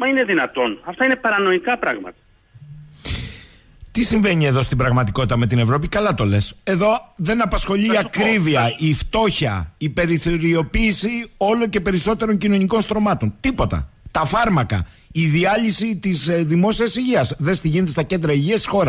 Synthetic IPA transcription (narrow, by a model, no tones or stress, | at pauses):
mɐine̞ðinɐt̪o̞nɐft̪ɐine̞pɐɾɐno̞ikɐpɾɐɣmɐ̰t̪ɐ̥ | t̪isiɱve̞ɲie̞ðo̞st̪ibɾɐɣmɐt̪iko̞t̪it̪ɐme̞t̪̬ine̞vɾo̞pikɐlɐt̪o̞le̞se̞ðo̞ðe̞nɐpɐsxo̞ʎiiɐkɾiviɐift̪o̞çɐ̰ipe̞ɾiθo̞ɾio̞piːsio̞lo̞ce̞pe̞ɾiso̞t̪e̞ɾo̞ɲcino̞niko̞nst̪ɾo̞mɐt̪o̞nt̪ipo̞t̪ɐ̰t̪ɐfɐɾmɐkɐ̰ | iðiɐʎisit̪izðimo̞siɐsiʝiɐsðe̞st̪iʝinet̪est̪ɐce̞nd̪ɾɐiʝiɐst̪i̥xo̞ɾɐs